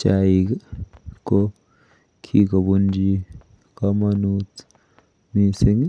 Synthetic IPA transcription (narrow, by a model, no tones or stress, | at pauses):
t͡ʃaːikko | kʰikobund͡ʒi | kɐmanuːt̪ | misiŋɡ